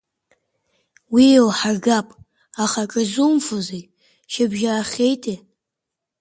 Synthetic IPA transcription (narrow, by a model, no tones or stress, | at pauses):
wiowħarɡapʼ | aχakʼɨzumfozi | ʃɪbʒaaχʲejtʰʼe